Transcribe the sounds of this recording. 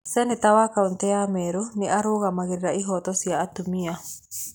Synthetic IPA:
sɛnit̪awakaunt̪ɛameɾuniʔaɾoɣamaɣiɾiɾaiɦɔt̪ɔsiaːt̪umia

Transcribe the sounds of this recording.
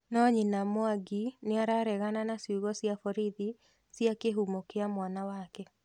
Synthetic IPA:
nɔɲinamoaɡineaɾaɾɛɣananasjuɣɔsjafɔɾiði | sjakeɦumokeamwanawakɛ

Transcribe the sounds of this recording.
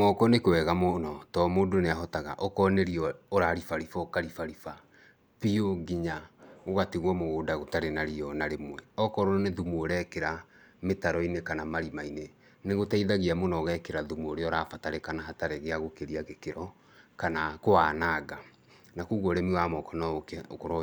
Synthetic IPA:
mɔkɔnekewɛɣamonɔtɔmoːndoneaɦɔtaɣa̰ʔɔkɔneɾiɔːɾaɾifaɾifɔkaɾifaɾifa | pioɡiɲaɣoɣateɣwɔmoɣoːdaɣotaɾenaɾiɔnaɾemwɛɔkɔɾɔneðumuoɾɛkeɾa | metaɾɔinekanamaɾimaine | neɣotaiðaɣiamonɔɣɛkeɾaðumuoɾeɔɾafataɾekanaɦataɾɛɣeaɣokeɾiaɣekeɾɔ | kanakoaːnaːɡa | nakuːɣoɾemiwamɔkɔnɔkokoɾɔ

